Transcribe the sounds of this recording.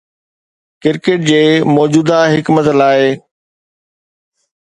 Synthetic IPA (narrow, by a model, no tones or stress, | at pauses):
kɪɾkeːʈ̚d͡ʑeːmɔːd͡ʑuːd̪aɦɪkmət̪laːɪ